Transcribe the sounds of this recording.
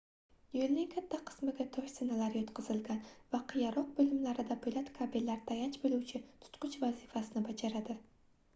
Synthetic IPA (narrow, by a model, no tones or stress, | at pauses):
jelnɪŋkʰʲat̪ʰːaqʰɨ̥smɪɡʲat̪ʰɒʃsɪnalaɾjɒt̪qʰɨzɪlɡʲanvaqʰɨjaɾɒq̚bɪlɪmlaɾɪd̪abʊjlat̪kʰabelːaɾt̪ʰajat͡ʃbɪluwt͡ʃʰɪt̪ʰʊ̥t̪qʊt͡ʃvazifasɪnɪbad͡ʒaɾad̪ɪ